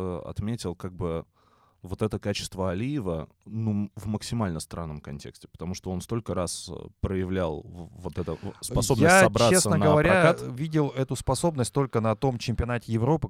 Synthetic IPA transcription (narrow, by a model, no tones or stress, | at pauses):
ɐ̰t̪mʲetʲɪlˠkaɡ̚bɨ | vo̞t̪ɛt̪əkat͡ɕɪ̥st̪vəɐlʲijɪvənuvməksʲɪmalʲnəst̪ɾa̰nːəmkɐnʲtʲe̞̰ksʲtʲɪ̥pə̥t̪ɐmuʂt̪oo̞nst̪o̞lʲkəɾaspɾəjɪvlʲalˠvot̪ɛt̪əspɐo̞bjnəassɐbɾt͡ɕaessənənɡəvɐɾʲaavʲidʲɪlˠɛt̪ʊspɐso̞bnəsʲt̚ʲt̪o̞lʲkənɐt̪o̞mt͡ɕɪmʲpʲɪɐnatʲɪjɪvɾo̞pɨ